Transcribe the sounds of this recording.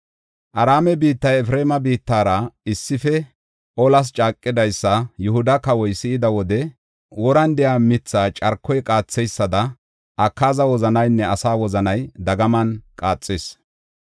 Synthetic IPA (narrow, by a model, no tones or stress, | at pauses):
ʔɐɾaːmɛbiːt̪ːɐjɛfɾeːmɐbiːt̪ːaːɾɐɪsːɪfɛ | ʔɔlɐs̬t͡ʃʼaːkʼːɪd̪ɐjsːɐjʊhʊd̪ɐkɐwɔjsɪɪd̪ɐwɔd̪ɛ | wɔɾɐnd̪ɛjaːmɪt͡sːaːt͡ʃʼɐɾkʰːɔjkʼaːt͡sːɛjsːɐd̪ɐ | ʔɐkːaːzɐwɔzɐnɐjnːɛɐsaːwɔzɐnɐjd̪ɐɡɐmɐnkʼaːt͡sʼːes